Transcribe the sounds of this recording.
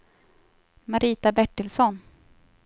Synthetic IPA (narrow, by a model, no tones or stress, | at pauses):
maɾʔiːt̪abɛʈːɪlsɔn